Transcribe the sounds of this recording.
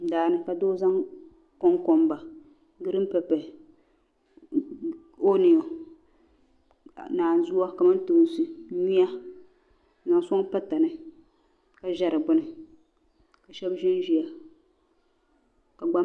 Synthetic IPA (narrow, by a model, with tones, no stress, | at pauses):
daː˨nɨ˦ka˨doː˦za˦ŋ | kɔ˦ŋkɔ˨mba˨ | ɡɨ˦ɾɨ˦m˦pɛ˨pɛ˨ | o˦ni˨o˨ | naː˨n˨zu˦a˦ka˨mɨ˦n˦tɨ˨sɨ˨ɲi˦a˦˨ | na˨ŋ˨sʊ˦ŋ˦pa˦ta˨nɨ˨ | ka˨ʒɛ˦ɾɨ˨bʊ˦nɨ˨ | ka˨ʃɛ˦bʒɪ˦n˦ʒi˦a˨ | ka˨ɡ͡ba˦